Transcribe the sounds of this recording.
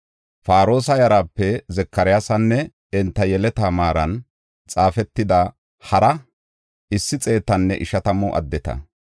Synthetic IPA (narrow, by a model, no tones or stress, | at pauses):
faːɾo̞ːsɐjɐɾaːpːɛzɛkːɐɾɪjasɐnːɛ | ɛnt̪ːɐjɛlɛt̪aːmaːɾɐn | t͡sʼaːfɛt̪ːɪd̪ɐ | hɐɾɐ | ʔɪsːɪt͡sʼe̞ːt̪ːɐnːɛʔɪʃɐt̪ɐmɔʔɐ̰d̪ːɛt̪ɐ̰